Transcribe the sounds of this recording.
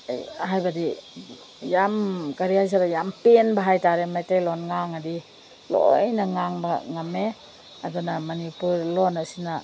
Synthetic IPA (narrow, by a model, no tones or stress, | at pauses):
hajbadi | jamkaɾiajs̬aɾajampenbaɦajtaɾemajtejlonŋaŋadi | lo̰jnaŋaŋbaŋame | adɔnamɐnipuɾlonasina